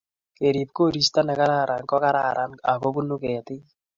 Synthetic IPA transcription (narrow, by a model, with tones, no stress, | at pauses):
ke˨ɾi˨p̚ko˦˨ɾi˦sta˦nɛ˨ka˦ɾaː˦˨ɾʔa˨ŋkɔ˦ka˦ɾa˦˨ɾʔa˨na˨ko˦bu˦nu˦kɛ˨tɪ˦